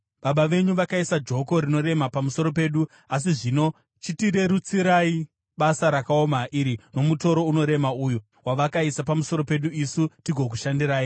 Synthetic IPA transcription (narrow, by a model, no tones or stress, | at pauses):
ɓaɓaʋe̞ɲuʋakaisad͡ʒo̞ko̞ɾino̞ɾe̞mapamuso̞ɾo̞pe̞ːɗu | as̬iʐino̞ | t͡ʃitiɾe̞ɾut͡siɾai | ɓasaɾakao̞maʔiɾino̞muto̞ɾo̞uno̞ɾe̞mauju | waʋakaisapamuso̞ɾo̞pe̞ɗuisutiɡʱo̞k̬uʃandiɾaːi